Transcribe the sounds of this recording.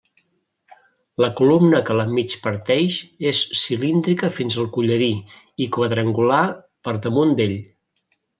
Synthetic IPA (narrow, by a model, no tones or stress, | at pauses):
ləkulumnəkələmit͡ʃpəɾt̪ɛʃesːilind̪ɾikəfinzəlˠkuʎəɾi | ikwəðɾəŋɡula | pəɾðəmund̪eʎ